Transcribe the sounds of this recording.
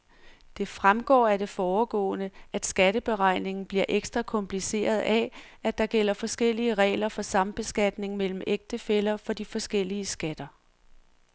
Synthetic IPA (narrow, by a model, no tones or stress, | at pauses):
d̥e̝fʁamɡ̥ɒ̰ːæɐd̥e̝fɒːɡ̥ɔ̰ːnəʔæd̥sɡ̥æd̥əb̥e̝ʁɑ̈ɪ̰ne̝ŋn̩b̥liɐʔeɡ̥sd̥ʁɑkʰɒ̽mpʰlise̝̰ːɐð̞̩ˠæ | æd̥ɑ̈ɡ̥el̰ɐfɒ̽sɡ̥el̰iəʁɛ̰ːlɐfɒ̽sɑ̈mb̥e̝sɡ̥æd̥ne̝ŋmel̰m̩eɡ̥̚d̥əfelɐfɒ̽d̥ifɒ̽sɡ̥el̰iəsɡ̥æd̥ɐ